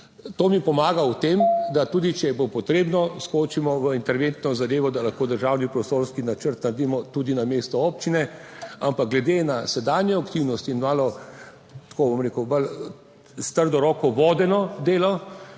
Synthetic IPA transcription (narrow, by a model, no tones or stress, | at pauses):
t̪oːmipɔmaːɡawt̪eːmd̪at̪uːd̪it͡ʃɛjɛbopɔt̪ɾeːbnɔskot͡ʃimɔʋəint̪ɛɾʋent̪nɔzad̪eːʋɔd̪alaxkoːd̪əɾʒaːwnipɾɔst̪oːɾskinat͡ʃəɾt̪naɾd̪imɔt̪ud̪inameːst̪ɔɔːpt͡ʃinɛampak̚ɡlɛd̪enasɛd̪aːnjɛakt̪iwnɔst̪iinmaːlɔ | t̪koːbomɾeːkəwbəl | st̪əɾd̪ɔɾɔːkɔʋɔːd̪ɛnɔd̪eːlɔ